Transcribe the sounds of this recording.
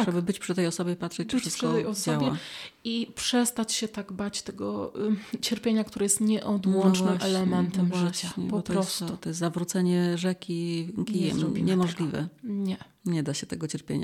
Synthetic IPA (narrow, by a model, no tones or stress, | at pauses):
ʐɛbɘbɘt͡ɕpʂɨt̪ɛjɔsɔbʲjɛpat̪ʂɛt͡ɕbːft͡ɕɨsp̪ʂɨt̪ɛjɔsd͡ʑɔawbʲjɛaipʂɛst̪at͡ɕɕɛt̪aɡbat͡ɕt̪ɛɡɔ̰t͡ɕɛɾpʲjeɲakt̪uɾɛjɛst̪ɲɛʔɔd̪wɔnt͡ʂnɨmʔɛlɛmɛnt̪ɛmʐɨt͡ɕaɛpɔɔtp̪ɔɾɔsst̪ut̪ɔjɛst̪zavɾut̪sɛɲɛʐɛkʲikʲijɛ̰mɲɛmɔʐlʲivɛ̰ɲɛ | ɲɛd̪aɕɛt̪ɛɡɔt͡ɕɛɾpʲjḛɲa̰